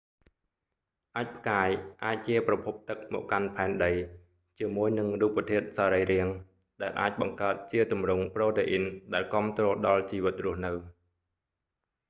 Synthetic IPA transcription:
ʔaːc̚pʰkaːjʔaːc̚t͡ɕiəprɑpʰup̚t̪ɨk̚mɔ̰ːʔkanpʰaɛnɗəj | t͡ɕiəmuəjnɨŋruːpət̪ʰiət̪̚saːɾəjriəŋ | ɗaɛlʔa̰ːc̚ɓɑŋkaət̪̚t͡ɕiət̪umrʊŋprɔːt̪eːʔinɗaɛlkŏəmt̪rɔːlɗɑlt͡ɕiːʋɨt̪̚rʊ̆əhnɨw

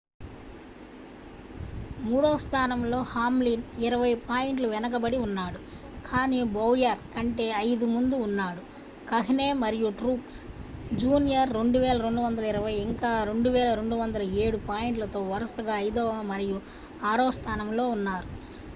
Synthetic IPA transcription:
muːɽoːst̪ʰaːnɐmlo̞ːhaːmliniɾɐʋɐjpʰaːjiɳʈluʋɛnɐk̬ɐbɐɽiunːaːɽu | kʰaːniːbɐwjɐɾkɐɳʈe̞ːɐjd̪umund̪uːnːaːɽu | kɐɦine̞ːmɐɾijuʈɾuːksd͡ʒuːnijɐɾːe̞ɳɖuʋɛːlɐɾe̞ɳɖuʋɐnd̪ɐlɐiɾɐʋɐjiŋkaːɾe̞ɳɖuʋɛːlɐɾe̞ɳɖuʋɐnd̪ɐlɐeːɽupaːjiɳʈlɐt̪o̞ːʋɐɾɐsɐɡaːɐjd̪oːmɐɾiju | aːɽoːst̪ʰaːnɐmlo̞ːunːaːɾu

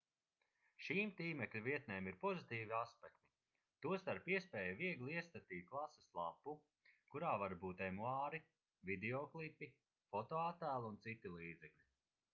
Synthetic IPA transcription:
ʃiːmt̪iːmɛklʲuviɛt̪neːmiɾpɔzit̪iːviaspɛkt̪i̥ | t̪uɔst̪aɾpiɛspɛːjaviɛɡlˠiiɛsk̪at̪iːt̪̚klˠasɐslˠa̰pːu | kuɾaːvaɾbuːt̪ɛmuaːɾi | vid̪eɔklˠipi | fɔt̪oat̪æːlˠunt̪sit̪ilˠiːd̪zɛklʲi

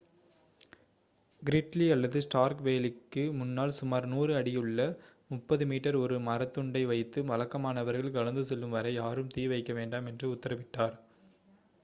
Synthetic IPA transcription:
ɡɪɾɪʈliɐlːɐðɯsʈaːɾkʋeːlɪkːɯmʊnːaːɭsʊmaːɾnuːrɯɐɽɪjɯɭːɐ | mʊpːɐðɯmiːʈːɐɾɔɾɯmɐɾɐt̪ːɯɳɖɐɪʋɐɪt̪ːɯʋɐlɐkːɐmaːnɐʋɐɾɣɐɭkɐlɐnd̪ɯsɛlːɯmʋɐɾɐɪjaːɾɯmt̪iːʋɐɪkːɐʋeːɳɖaːmɛndrɯʊt̪ːɐɾɐʋɪʈːaːɾ

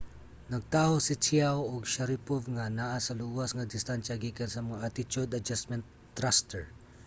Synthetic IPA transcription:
nɐɡ̚t̪aːhosɪt͡ʃiawoɡʃaɾipovŋanaʔasɐluːwɐsŋɐd̪ɪst̪anʃɐɡiːkansɐmɐŋaʔat̪ɪt͡ʃʊd̪ɐd͡ʒasmɛnt̪ː | ɾast̪ɛɹ

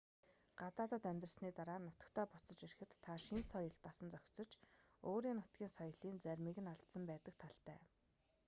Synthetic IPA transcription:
ɢ̥at͡s̪aːt̪ə̆t̪æmʲt̪rə̆sniːt̪aɾaːnʊt̪ə̆kt̪ʰæːpʊt͡sɞ̆t͡ɕeɾɘ̆xɘ̆t̪ʰːaʃinsɔjə̆ɬt̪aːsə̆nt͡sœxʲt͡sɞ̆t͡ɕ | oːɾiːŋnʊt̪ɡʲiːnsɔjɞ̆ɮiːnt͡sæɾʲmiːɣɘ̆naɮt̪sə̆mpæːt̪ə̆k̚t̪ʰaɮt̪æ̰ː

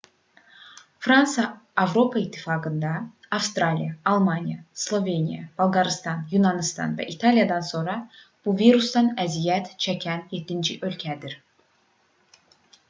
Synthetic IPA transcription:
fɾɑnsɑːvɾo̞pʰɑit̪ʰːifɑːɡɯnd̪ɑː | fst̪ɾɑlʲijɑːlˠmɑnijɑslˠo̞ve̞nijɑ̰b̥ɑlˠɡɑɾɯst̪ɑnjunɑnist̪ɑ̰nvæ̰ʔit̪ʰɑlijɑd̪ɑnso̞nɾɑ | b̥uviɾusd̪ɑnæzijæt̪t͡ʃʰæcʰænjet̪ʰːind͡ʒiʔø̞lcʰæd̪iɾ

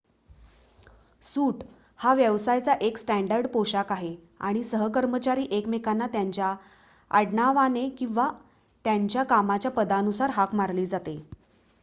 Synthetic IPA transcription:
suːʈ | haʋjəʋsajt͡saʔeksʈæɳɖəɾɖpoɕakaɦe | a̰ɽ̃isəɦəkəɾmət͡ɕaɾiːʔekmekanːat̪jaɲt͡ɕja | a̰ɽɳaʋanekĩw̃ʋa | t̪jaɲt͡ɕjakamat͡ɕjapəd̪anusaɾɦakmaɾliːd͡zat̪e

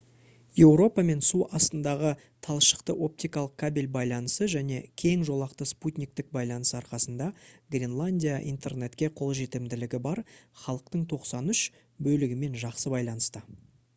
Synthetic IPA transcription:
je̞wɾo̞pɑme̞nsuʔɑst̪ənd̪ɑʁə | t̪ʰɑlˠʃə̥qt̪əʔo̞p̚t̪ijkɑlˠəq̚kʰabilʲbɑjlˠɑnəsəʒæne̞kʲʰe̞ŋʒo̞lˠɑqt̪əsput̪ʲnʲik̚t̪ɪk̚bɑjlˠɑnəsɑɾqɑsənd̪ɑɡrʲenlˠanʲdʲijaʔḭjnt̪ʰe̞rne̞t̪kʲe̞qʰo̞lˠʒe̞t̪ɪmd̪ɪlɪɡʲɪbɑɾχɑlˠəqt̪əɴt̪ʰo̞qsɑnʏʃ | bɵlɪɡʲɪme̞nʒɑqsəbɑjlˠɑnəst̪ə

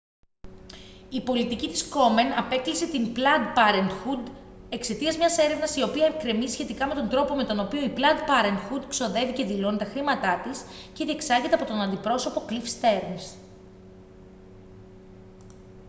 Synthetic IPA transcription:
ipo̞lit̪icit̪i̥sko̞me̞nɐpe̞klise̞t̪implɐd̪pɐɾent̪xud̪ | e̞kse̞t̪iɐzmɲɐse̞ɾe̞vnɐsio̞piɐekɾemizisçe̞t̪ikɐme̞t̪o̞nd̪ɾo̞po̞me̞t̪o̞nopio̞iplɐd̪pɐɾent̪xud̪kso̞ðe̞vice̞ðilo̞nit̪ɐxɾimɐt̪ɐt̪isce̞ðie̞ksɐʝet̪e̞ɐpo̞t̪o̞nɐnd̪ipɾo̞so̞po̞klifst̪e̞ɾns

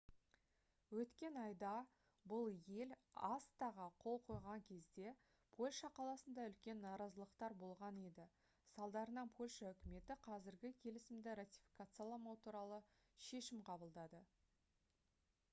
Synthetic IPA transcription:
wɵt̪kʲe̞nɑjd̪ɑ | bʊlˠje̞lɑst̪ɑʁəqʰo̞lˠqʰo̞jʁɑŋkʲʰe̞zd̪e̞ | pʰo̞lʲʃɑqʰɑlˠɑsənd̪ɑʏlkʲe̞nːɑɾɑzəlˠəqt̪ɑɾbo̞lˠʁɑnid̪ɪ | sɑlˠd̪ɑɾənɑnpʰo̞lʲʃaʏkʲɪme̞t̪ɪqʰɑzɪɾɡʲɪkʲʰe̞lɪsɪmd̪ɪɾat̪ʲi̥fi̥kat̪sɨjalˠɑmɑwt̪ʰuɾɑlˠə | ʃe̞ʃɪmqʰɑbəlˠd̪ɑd̪ə

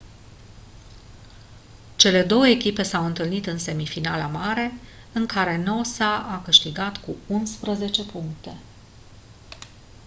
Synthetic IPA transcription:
t͡ʃe̞le̞d̪o̞wəekʲipe̞sawɨnt̪ɨlnit̪ɨnse̞mifinalamaɾe̞ | ɨŋkaɾe̞no̞saʔakɨʃt̪iɡat̪kuunspɾəze̞t͡ʃe̞puŋk̚t̪e̞

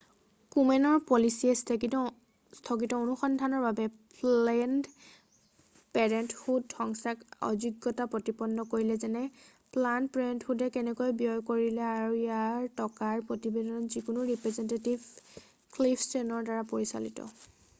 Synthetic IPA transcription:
kumɛnɔɹpɔlisiɛstki | stʰɔkitɔonuxɔndʱanɔɹbabɛpɛnd | pɛɹɛnthudhɔŋsakɔ̰zuɡːɔtapɹotipɔnːɔkoɹilɛzɛnɛ | planpɹɛɛntxudɛkɛnɛkojbijɔjkoɹilɛaɹuijaɹtɔkaɹpɹotibedɔnɔnzikunʊɹipɹɛzɛntetiv | klipʰtɹenɔɹdaɹapoɹisa̰litɔ̰

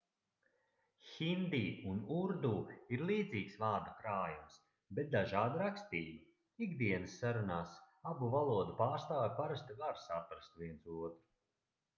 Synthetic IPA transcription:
xʲind̪iːunuɾd̪uːiɾlˠiːd̪ziːksvaːɾd̪akɾaːjums | bɛt̪̚d̪aʒaːd̪aɾakst̪iːba | iɡd̪iɛnɨsːaɾunaːs | abuvalˠuɔd̪upaːɾst̪aːjʲpaɾast̪iɡaɾsat̪̚pɾast̪viɛnsuɔt̪ɾu

